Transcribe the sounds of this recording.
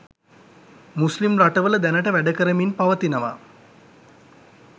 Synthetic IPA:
muslimraʈəʋələd̪ænəʈəʋæɖəkəɾəminpaʋət̪inəʋa̰

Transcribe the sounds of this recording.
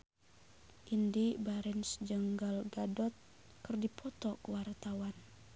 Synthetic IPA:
ʔindibaɾɛnsd͡ʒəŋɡalɡadɔt̪̚ | kɨrdipʰɔt̪ɔkəwart̪awan

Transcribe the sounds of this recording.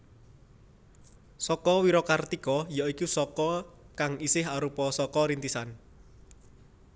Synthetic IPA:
sɔkɔwiɾɔkart̪ikɔjɔikusɔkɔkaŋisɪɦaɾupɔsɔkɔɾint̪isan

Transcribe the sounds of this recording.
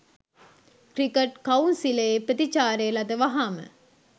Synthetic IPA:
kɾikeʈkɐunsileːpɾət̪it͡ʃaːɾeːlɐd̪ɐʋɐɦaːmɨ̰

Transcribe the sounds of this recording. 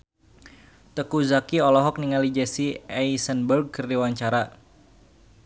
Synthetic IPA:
t̪əkuzakiɔlɔɦɔk̚niŋalid͡ʒɛsiɛisənbərɡ̚kərdiwaɲt͡ʃaɾa

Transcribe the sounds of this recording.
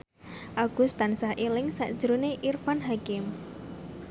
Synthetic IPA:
ʔaɡ̥ust̪ansahʔelɪŋsa̰ʔd̥ʒ̥əɾoneʔirfanɦakɪm

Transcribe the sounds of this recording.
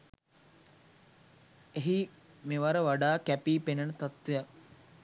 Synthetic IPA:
eɦi | meʋaɾəʋaɖaːkæpiːpenənət̪at̪ʋejak

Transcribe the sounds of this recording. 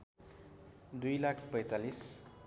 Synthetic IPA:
d̪ujlakʰpʌjt̪alis

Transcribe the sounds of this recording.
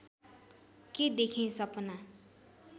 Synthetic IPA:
ked̪ekʰĩsʌpna

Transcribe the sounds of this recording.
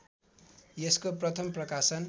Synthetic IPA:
jeskoprʌt̪ʰʌmprʌkasʌn

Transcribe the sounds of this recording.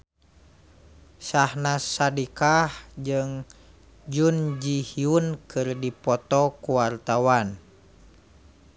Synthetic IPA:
sahnasadikahd͡ʒɨŋ | d͡ʒund͡ʒihiunkʰɨrdipɔt̪ɔkuwart̪awan

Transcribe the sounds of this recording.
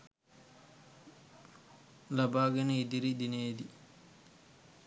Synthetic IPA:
labaːɡɛnid̪iɾid̪ineːd̪i

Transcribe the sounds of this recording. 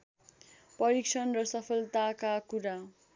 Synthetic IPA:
pʌɾiksʰʌnrʌsʌpʰʌlt̪akakuɾa

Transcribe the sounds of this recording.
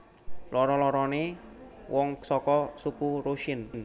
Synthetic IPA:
lɔɾɔlɔɾɔnewʔɔŋsɔkɔsukuɾoʃɪnn

